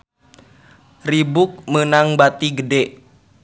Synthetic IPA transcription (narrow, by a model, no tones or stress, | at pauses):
ribuk̚mənaŋbat̪iɡədɛ